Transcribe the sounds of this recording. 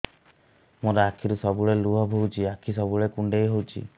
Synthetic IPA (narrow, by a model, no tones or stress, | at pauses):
moɾeakʰiɾusɔbuɭeluɔbʱowt͡ʃʰiakʰis̬ɔbuɭekuɳɖejɦowt͡ʃʰḭ